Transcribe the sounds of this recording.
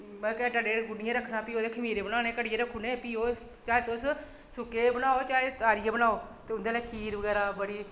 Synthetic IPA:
mɛkɛʈəɖeːɾɡʊnɪjãːɾəkʰːnaːpiːoːd̪eːkʰəmiːɾeːbənaːneːkəɽɪjeːɾəkʰːoːneːpiːoː | t͡ʃaːeːt̪ʊs | sʊkeːbənaːoːt͡ʃaːeːt̪aːɾɪjãːbənaːoːt̪eːʊnd̪eːlɛːkʰiːɾʋəɡɛːɾaːbəɽiː

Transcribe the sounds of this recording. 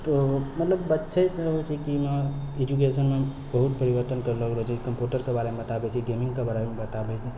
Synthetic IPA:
t̪omət̪ləbːətːʃʰəjsẽɦot͡ʃʰikiməed͡ʒuk̬esənme | bəɦut̪̚pəɾiʋəɾt̪ənkəɾləɡɾəɦt͡ʃʰikəmpjuʈəɾkebaɾemebət̪abɛt͡ʃʰiɡemĩŋɡkebaɾemebət̪abɛt͡ʃʰi

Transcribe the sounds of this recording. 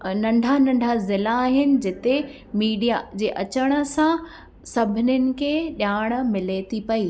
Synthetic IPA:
nɐ̃ɳɖʱanɐ̃ɳɖʱazɪlaːɦɪnɪ̆d͡ʑɪt̪e | miːɖijad͡ʑeːʔɐt͡ɕəɽ̃ə̆sã | sɐbʱɪnʊnɪ̆kʰeɗjaːɽ̃̆mɪlet̪ʰipɐiː

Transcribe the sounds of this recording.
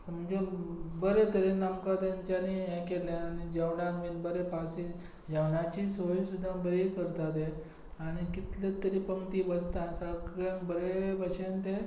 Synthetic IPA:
səmd͡ʑolbəɾet̪əɾenamkad̪ãɲt͡ɕaniɦẽkelẽañid͡ʑəʋɳakmiːlbəɾepasi | d͡ʑawɳat͡ɕisoisud̪ʱːabəɾekəɾt̪at̪e | aɽ̃ikit̪let̪əɾiːpəŋt̪iːbəst̪asəɡãŋbəɾebəɕent̪e

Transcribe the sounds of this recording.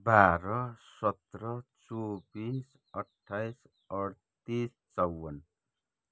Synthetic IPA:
baɾʌsʌt̪rʌt͡sobĩs | ʌʈʰːajs | ʌɽ | t̪is | t͡sʌwːʌn

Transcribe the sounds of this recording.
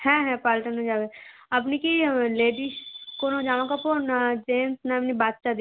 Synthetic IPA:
hɛ̃ːɦɛ̃paːlʈənõd͡ʒaːʋe | ɐp̬nikileːɖiʃkonõd͡ʒaːʋãkaponad͡ʒeːmsnaɐpnibaːd̪t͡ʃad̪

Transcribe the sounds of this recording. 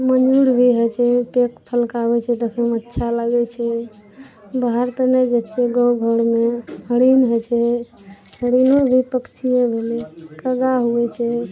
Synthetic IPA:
mənuɾbʱiɦet͡ʃʰɛpek̚pʰəlkabɛt͡ʃʰɛt̪əkʰəmətːʃʰalaɡɛt͡ʃʰɛ | baɦaɾt̪əned͡ʒet͡ʃʰɛɡəwɡʱəɽmeɦəɽinɦet͡ʃʰɛ | həɽilobʱipəkt͡ʃʰijebʱelɛkəɡaɦuɛt͡ʃʰɛ

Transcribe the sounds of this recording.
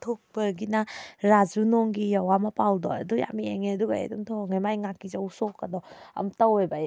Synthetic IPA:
tʰok̚bɯɾɡinaɾazunɔŋɡijawamapawdɔ̰aduja̰mieŋeɐduɡaḛdumtʰɔŋajmajŋakːizawsɔkːadɔɐ̰mtawejbaj

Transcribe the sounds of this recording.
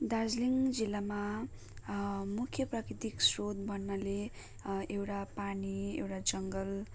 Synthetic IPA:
d̪ad͡zliŋd͡zilːama | mukʰjʌprʌkɾit̪iksrod̪̚bʱʌnːale | ewʈapaniḛwʈad͡zʌŋɡʌl

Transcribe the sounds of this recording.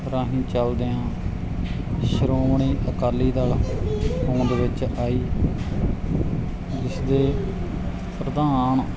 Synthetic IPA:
ɾãːɦĩːt͡ʃəld̪eːãː | ʃəɾoːʋɳiːʔəkaːlːiːd̪aːlɦõːd̪ʋɪt͡ʃaːiː | d͡ʒɪsd̪eː | pɾəd̪aːɳ

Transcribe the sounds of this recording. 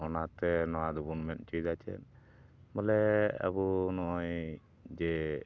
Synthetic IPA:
ɔnat̪ɛnɔwad̪ubunmɛn̚t͡ʃujd̪at͡ʃʰɛ̰n | bɔlɛa̰bunɔʔɔj | d͡ʒɛ

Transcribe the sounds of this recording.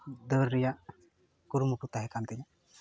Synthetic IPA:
d̪əɾːijaʔ | kuɾmukut̪aɦɛkant̪ɛɲa

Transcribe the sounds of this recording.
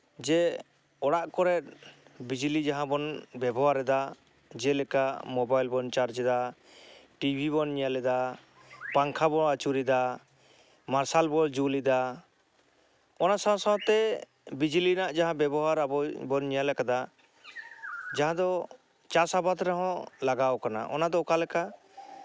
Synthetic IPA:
d͡ʒɛ | ɔɽaʔkɔɾɛt̪̚bid͡ʒlid͡ʒaɦãbɔnbɛbɔɦaɾɛd̪a | d͡ʒɛlɛkamɔbajlbɔnt͡ʃaɾd͡ʒd̪a | ʈibʱiβɔnɲɛjalɛd̪a | paŋkʰabɔnat͡ʃuɾid̪a | maɾsalbɔld͡ʒulid̪a | ɔnasãsãw̃t̪ɛ | bid͡ʒlinaʔd͡ʒaɦãbɛbɔɦaɾabɔbɔnɲɛjalɛkad̪a | d͡ʒaɦãd̪ɔ | t͡ʃasabat̪ɾɛɦɔ̃laɡawkana̰ʔɔ̰nad̪ɔkalɛka

